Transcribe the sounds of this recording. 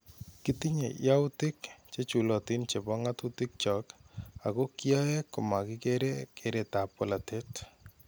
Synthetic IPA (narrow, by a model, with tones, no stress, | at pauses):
kit̪i˦ɲḛ˨ja˦ʊtɪ˦kt͡ʃe˦t͡ʃu˨lɔ˨ti˦nt͡ʃe˨bɔ˦ŋatutɪk̚t͡ʃɔ˨ka˨ko˦kjɔ˦je˦kːʊ˨ma˨kɪkeɾekʰeɾeta˨pɔlate˦t